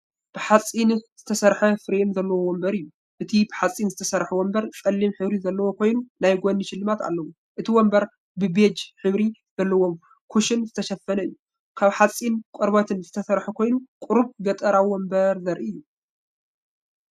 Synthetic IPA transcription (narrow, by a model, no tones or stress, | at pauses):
b̥ɨħat͡sʼinz̥ɨt̪ʰɐsɐɾħɐfɨɾenzɐlːɐwowɔmbɐɾɨjːu | ʔɨt̪ʰibɨħat͡sʼːinzɨt̪ʰɐsɐɾħuwɔmbɐɾt͡sʼɐlːimħɨβɾizɐlːɐwokʰo̞jnunajɡʷonːiʃɪlːɨmat̪a̰lːɐwu | ʔɨt̪ʰiwombɐɾ | bɨbed͡ʒħɨβɾi | z̥ɐlːɐwo̞m | kʰuʃɪnzɨt̪ʰɐʃɐfːɐnɐɨjːu | kʰaβħat͡sʼːinkʷʼɐɾβɐt̪ʰɨnzɨt̪ʰɐsɐɾħukʰo̞jnukʼʊɾuβɡɐt̪ʼɐɾawɔmbɐɾzɐɾʔɨjːu